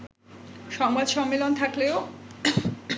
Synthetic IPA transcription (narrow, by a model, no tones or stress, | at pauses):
ʃɔŋbad̪ʃɔŋːelont̪ʰakleo